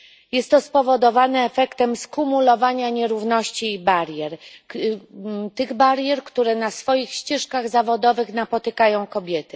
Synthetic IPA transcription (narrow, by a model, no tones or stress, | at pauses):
jɛst̪ːɔspɔvɔd̪ɔvanɛːfɛkt̪ɛmskumulɔvaɲaɲɛɾuvnɔɕt͡ɕiːbaɾjɛɾ | t̪ɘɣbaɾjɛɾkt̪uɾɛnasfɔjixɕt͡ɕɛʂkaɣzavɔd̪ɔvɘxnapɔt̪ɘkajɔ̃w̃kɔbʲjɛt̪ɘ